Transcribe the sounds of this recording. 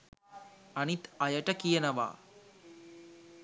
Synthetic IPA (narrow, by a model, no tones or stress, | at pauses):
ɐnit̪ɐjɐʈɐkijɐnɐʋa̰ː